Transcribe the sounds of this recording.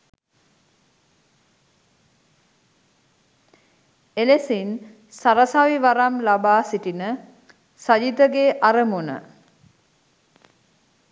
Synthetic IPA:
elesin | saɾəsaʋiʋaɾamlabaːsiʈinə | sad͡ʒid̪əɡeːʔaɾəmunə̰

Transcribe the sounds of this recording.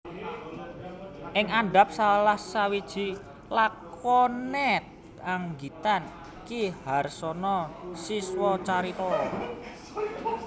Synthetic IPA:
ʔɪŋaɳɖa̤p̚salahsawid̥ʒ̥i̤ | lakɔnɛt̪̚ | aŋɡit̪an | kiharsɔnɔsiswɔt͡ʃaɾit̪ɔɾɔ

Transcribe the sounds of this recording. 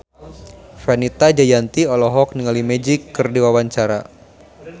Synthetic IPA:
fanit̪ad͡ʒajant̪iɔlɔɦɔk̚niŋalimɛd͡ʒikːɨrdiwawaɲt͡ʃaɾa̰

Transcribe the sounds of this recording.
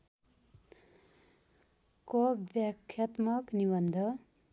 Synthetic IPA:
kobjakʰjat̪mʌknibʌnd̪ʱʌ

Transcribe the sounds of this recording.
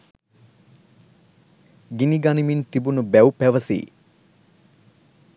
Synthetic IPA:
ɡiniɡanimint̪ibunubæwpæʋəsḭː

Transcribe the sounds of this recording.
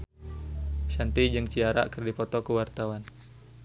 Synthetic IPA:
ʃant̪id͡ʒəŋt͡ʃiaɾa̰kərdipɔt̪ɔkuwart̪awan

